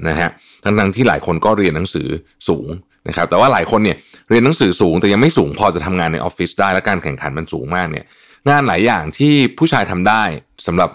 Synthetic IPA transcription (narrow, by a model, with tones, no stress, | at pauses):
na˦˥kʰa˦˥ʔ | t̪ʰa˦˥ŋt̪ʰa˦˥ŋt̪ʰiː˥˩laː˩˦jkʰo˧nkɔː˥˩ɾi˧ənːa˩˦ŋsɯ̰ː˩˦ | suː˩˦ŋ | na˦˥kʰa˦˥p̚t̪ɛː˨˩waː˥˩laː˩˦jkʰo˧nːi˥˩ɐɾi˧ənːa˨˩˦ŋsɯː˩˦suː˩˦ŋt̪ɛː˨˩ja˧ŋma˥˩jsuː˩˦ŋpʰɔː˧t͡ɕa˨˩t̪ʰa˧mŋaː˧nːa˧jʔɔ̰˦˥fi˦˥sdaː˥˩jlɛ˦˥kaː˧nkʰɛ˨˩ŋkʰa˩˦nma˧nsuː˩˦ŋmaː˥˩k̚ni˥˩ɐ | ŋaː˧nlaː˩˦jːaː˨˩ŋt̪ʰiː˥˩pʰuː˥˩t͡ɕʰaː˧jt̪ʰa˧mdaː˥˩jsa˩˦mɾa˨˩p̚